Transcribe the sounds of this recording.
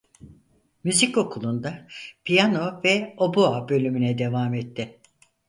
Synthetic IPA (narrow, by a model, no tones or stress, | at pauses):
myzico̞kʰulˠund̪apʰijano̞vɛo̞boabø̞lʲymynɛd̪e̞vaːmet̪ʰːɪ